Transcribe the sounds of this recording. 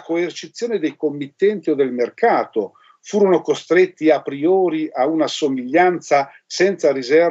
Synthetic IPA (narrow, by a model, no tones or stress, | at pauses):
koert͡ʃit̪sːjoːned̪ejkomːit̪ːɛnt̪iod̪elmerkaːt̪o | fuːɾonokost̪ɾet̪ːiapɾioːɾiʔaunasomiʎːant̪sa | sɛnt̪saɾizɛr